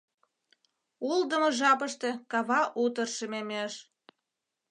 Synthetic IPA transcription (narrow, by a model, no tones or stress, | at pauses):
uld̪əmoʒɑpəʃt̪e̽kɑβɑʔut̪ərʃememeʃ